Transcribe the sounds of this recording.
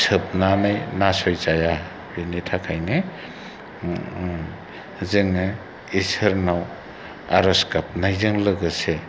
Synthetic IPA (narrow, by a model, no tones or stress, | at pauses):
sɯp̚nanajnasɔjzaja | binitʰakʰajne | zɯŋɯ | isɯɾnaw | a̰ɾɔskap̚najzɯŋlɯɡɯse